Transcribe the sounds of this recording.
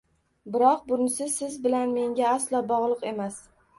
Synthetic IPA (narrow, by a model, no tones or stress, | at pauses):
bɪɾɒq̚bʊnɪsɪzsɪzbɪlanme̞ŋɡʲaaslɒbɒʁlˠɨqe̞mas